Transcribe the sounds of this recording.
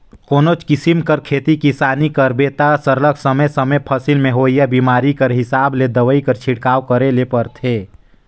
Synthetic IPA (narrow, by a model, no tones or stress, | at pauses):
koːnot͡ʃkɪsimkəɾkʰeːt̪ikisaːnikəɾbeːt̪asəɾləkʰsəməjsəməjpʰəsilmẽɦoːijabiːmaːɾikəɾɦɪsaːbled̪əʋəikəɾt͡ʃʰɪɽkaːwkəɾelepəɾt̪ʰeː